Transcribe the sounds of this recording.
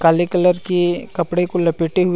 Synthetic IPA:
kaːlikɐləɾkikɐpɽekolɐpiːʈeɦʊ

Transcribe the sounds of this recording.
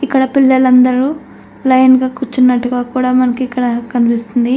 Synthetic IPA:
ikːɐɽɐpilːɐlɐnd̪ɐɾuː | lɐjnɡaːkut͡ʃːunːɐʈːuɡaːkuːɽaːmɐnɐkiikːɐɽɐkɐnipist̪und̪i

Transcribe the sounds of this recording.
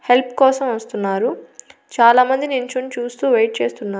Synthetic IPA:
he̞lpkɔːsɐmʋɐst̪unːaːɾut͡ʃaːlaːmɐnd̪inint͡ʃont͡ʃuːst̪uːʋejʈ̚t͡ʃeːst̪unːaː

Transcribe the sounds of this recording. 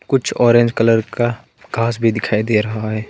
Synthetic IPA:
kʊt͡ʃʰɔːɾẽːnd͡ʒkɐləɾka | ɡʱaːs̬bʱid̪ɪkʰaːid̪eɾɐɦaɦɛː

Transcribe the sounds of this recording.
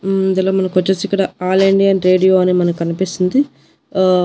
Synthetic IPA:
nd̪ɐloːmɐnɐkiʋɐt͡ʃːesikːɐɽaaːleɳɖijɐnɾeːɖijoːɐnimɐnɐkɐnipist̪und̪i

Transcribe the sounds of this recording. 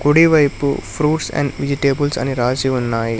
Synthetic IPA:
kuɽiʋɐjpṵpʰɾuːʈsɛ̰ɳɖʋid͡ʒiʈeːbulsɐ̰niɾaːd͡ʒiunːaːji

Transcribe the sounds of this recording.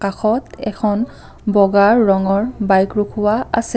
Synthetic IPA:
kaxʰɔtɛ̰kʰɔn | bɔɡaɹːɔŋɔɹbajkɹukʰʊwaa̰sɛ

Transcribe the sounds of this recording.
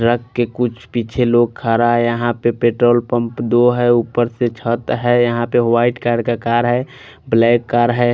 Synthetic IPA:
ɾəkːekʊt͡ʃʰpit͡ʃʰeloɡ̚kʰaɾajəɦãpepeʈɾoːlpə̃mpd̪oɦɛupːəɾset͡ʃʰət̪ɦɛjəɦãpewaɪʈkaːɾɖ̚kakaːɾɦɛ | blɛːkːaːɾɦɛ

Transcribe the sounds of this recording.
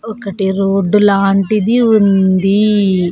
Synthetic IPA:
ɔkɐʈeɾoɖːulaːɳʈid̪iund̪i

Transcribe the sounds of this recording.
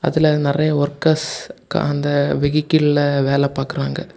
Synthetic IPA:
ɐ̰ðɪlɐnɪrɐjɐɔɾkɐska̰ɐnd̪ɐʋɛɣɪkːɪlɪlɐʋeːlɛpaːɾkɪɾaːŋɡɐ

